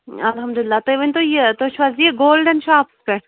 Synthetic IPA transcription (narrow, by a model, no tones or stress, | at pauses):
ɐlɦɐmd̪ulɪlːaːt̪ojʋɐnʲt̪ojet̪oʃʋazijeɡoːlɖɐnʃaːpspeɳ